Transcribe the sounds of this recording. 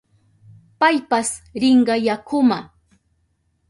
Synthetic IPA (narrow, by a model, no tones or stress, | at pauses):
pajpasɾɪɴɢɑjakʰʊma